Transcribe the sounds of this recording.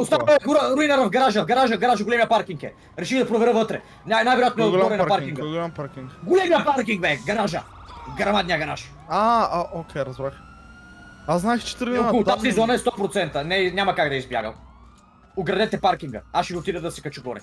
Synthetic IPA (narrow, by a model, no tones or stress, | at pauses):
ʊst̪anɡoɾəɾuinɐɾɐvɡɐɾaʒɐvɡɐɾaʒɐɡɐɾaʒɐɡolɛmijɐpaɾkʲiŋkɛ | ɾɛʃiɣd̪ɐpɾovɛɾəvɤt̪ɾɛ̰ | nʲanajvɛɾʊjat̪noɛɔɾɛnɐpaɾkkʲiŋɡɡʊlampaɾkʲiŋkɡolɛmijɐpaɾkʲiŋɡbɛɡɐɾaʒɐ | ɡɐɾɐmad̪nijɐɡɐɾaʃ | aokʲɛjɾɐzbɾax | aznaɛxt͡ʃɛ̥t̪ɾkɔʊt̪asizɔnɐɛst̪ɔpɾot̪sɛnt̪ənɛnɲʲamɐkaɡd̪ɐɛizbja̰ɡə̰lˠ | ʊɡɾɐd̪ɛt̪ɛpaɾkiŋɡə̰aʃɛvot̪id̪ɛd̪ɐsɛ̥kɐt͡ʃuɡɔɾɛ̰